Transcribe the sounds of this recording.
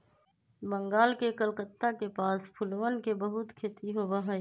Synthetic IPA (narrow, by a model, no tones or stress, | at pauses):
bə̃ŋɡaːlkekəlkət̪ːakepaːspʰʊlʋənkebəɦʊt̪kʰeːt̪iɦoːbaɦə